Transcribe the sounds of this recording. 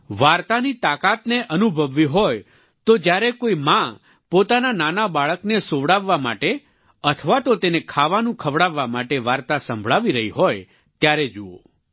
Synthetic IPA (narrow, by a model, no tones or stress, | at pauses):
ʋaɾt̪anit̪akat̪neʔənubʱəʋːiɦoj | t̪od͡ʒjaɾekoimã | pot̪anananabaɭəknesoʋɽaʋːama̰ʈe | ət̪ʰəʋat̪ot̪enekʰaʋanũkʰəʋɽaʋːamaʈeʋaɾt̪asə̃mbʱɭaʋiɾəɦiɦoj | t̪jaɾed͡ʒuo̰